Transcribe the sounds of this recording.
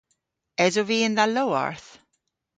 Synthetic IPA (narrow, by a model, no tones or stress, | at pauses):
ɛzoviːɪnðalowa̰ɹθ